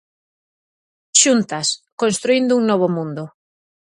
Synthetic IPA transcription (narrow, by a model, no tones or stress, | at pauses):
ʃunt̪ɐskõnst̪ɾuind̪ʊuŋnɔβ̞omũnd̪ʊ